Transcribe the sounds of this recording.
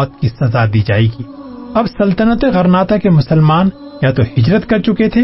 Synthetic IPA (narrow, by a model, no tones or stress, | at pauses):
ɔːt̪̚kisɐzad̪iːd͡ʒa̰ːikiːɐbsɐlt̪ənət̪eɣɐɾnaːt̪akemʊsəlmaːnjat̪ohɪd͡ʒɾət̪kɐɾt͡ʃʊket̪ʰeː